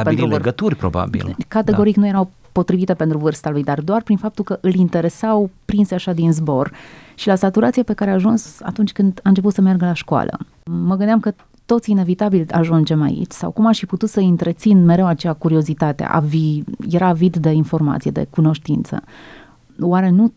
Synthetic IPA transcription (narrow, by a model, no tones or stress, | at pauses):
penɾuɡət̪urʲpɾo̰ba̰bḭlkat̪e̞ɡo̞ɾiknuje̞ɾaw | po̞t̪ɾivit̪e̞pent̪ɾuvɨrst̪alujd̪ard̪oarpɾinfap̚t̪ulkəʔɨlint̪e̞ɾe̞sawpɾinseaʃad̪inzbo̞rʃilasat̪uɾat̪siape̞kaɾeaːʒunsa̰t̪unt͡ʃʲkɨnd̪aɨnt͡ʃeput̪səmerɡəlaʃkoa̰lə̰ | məɡɨnd̪amkə | t̪o̞t̪sʲine̞vit̪abilʲa̰ʒund͡ʒe̞ma̰ḭt͡ʃʲsa̰wkumaʃiput̪ut̪səɨnt̪ɾe̞t̪sinme̞ɾewat͡ʃejakuɾio̞zit̪at̪ḛʔa̰vijeɾaːvid̪ːe̞info̞rma̰t̪sijḛd̪e̞̰kuno̞ʃt̪int̪sə̰ | waɾe̞nu